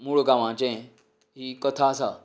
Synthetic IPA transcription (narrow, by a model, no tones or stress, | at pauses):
muɽɡaʋãt͡ɕẽ | ɦiːkət̪ʰasa